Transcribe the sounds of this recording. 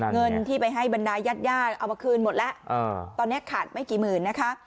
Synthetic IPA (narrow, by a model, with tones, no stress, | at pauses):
ŋɤ˧nt̪ʰiː˥˩pa˧jɦa˥˩jba˧ndaː˧jaː˥˩t̪̚jaː˥˩t̚ʔa˨˩wmaː˧kʰɯː˧nmo˨˩t̪̚lɛ˦˥ʔʔa˧˩t̪ɔː˧nːi˦˥ɐkʰaː˨˩t̪̚ma˥˩jkiː˨˩mɯː˨˩nːa˦˥kʰa˦˥ʔ